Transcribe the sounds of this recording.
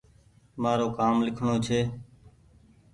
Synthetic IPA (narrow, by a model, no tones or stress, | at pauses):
maːɾoːkaːmlɪkʰɳoːt͡ʃʰeː